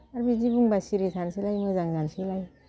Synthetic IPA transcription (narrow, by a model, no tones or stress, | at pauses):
aɾbid͡ʒibuŋbasiɾitʰansilajmɯzaŋzansilaj